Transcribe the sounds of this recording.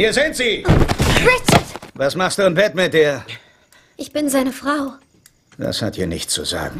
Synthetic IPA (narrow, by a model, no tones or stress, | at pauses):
hiːɐzɪntz̥iːʁɪt͡ʃɐdvasmaχstd̥uːanbɛtmɪt̚d̥iːɐ | ʔɪçb̥ɪnzaɪnəfʁ̥aʊ | va̰shatʰḭːɐnɪçtt͡sṵza̰ːɡŋ̩